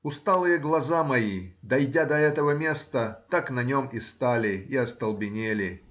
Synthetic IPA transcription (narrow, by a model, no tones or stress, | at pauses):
ʊst̪alˠɨjəɡlˠɐzamɐjid̪ɐjdʲad̪ɐɛt̪əvəmʲe̞st̪ət̪aknɐnʲomɪst̪alʲɪiɐst̪əlˠbʲɪnʲelʲɪ